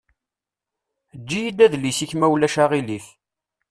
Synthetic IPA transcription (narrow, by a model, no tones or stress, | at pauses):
d͡ʒːijid̪æðlisiçmæwlæʃaʁiliθ